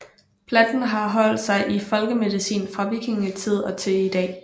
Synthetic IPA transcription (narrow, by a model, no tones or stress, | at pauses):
pʰlɛd̥n̩ɦɑ̈ɦɒ̽l̰d̥sɑ̈ɪʔifɒ̽lɡ̥əme̝ðˠisḭːnfʁɑ̈ʋiɡ̥ʰeŋit͡sʰið̞̰ˠɒ̽t͡sʰe̝id̥ɛ̰ː